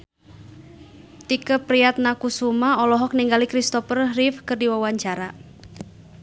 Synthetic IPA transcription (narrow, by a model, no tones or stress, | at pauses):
t̪ikəpɾiat̪̚nakusumaɔlɔɦɔk̚niŋɡalikɾist̪ɔfərrifkɨrdiwawaɲt͡ʃaɾa